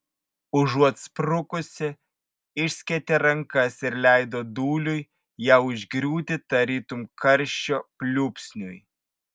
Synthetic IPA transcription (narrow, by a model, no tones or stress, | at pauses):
ʊʒuɔt̪spɾʊkʊsʲɪ | ɪʃʲsʲkʲɛt̪ʲeɾɐŋkɐsɪɾlʲæˑɪd̪oːd̪uːlʲʊj | jæːʊʒʲɡɾʲuːt̪ʲɪt̪ɐɾʲiːt̪ʊmkʰɐɾʲʃʲt͡ʃʲoːpʲlʲuːpʲsʲnʲʊj